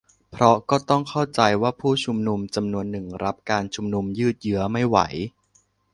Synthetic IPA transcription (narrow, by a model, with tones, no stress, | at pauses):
pʰɾɔ˦˥kɔː˥˩t̪ɔ˥˩ŋkʰa˥˩wt͡ɕa˧jwaː˥˩pʰuː˥˩t͡ɕʰu˧mnu˧mt͡ɕa˧mnu˧ənːɯ˨˩ŋɾʔa˦˥p̚kaː˧nt͡ɕʰu˧mnu˧mjɯː˥˩t̪̚jɯ˦˥ɐma˥˩jwa̰˩˦j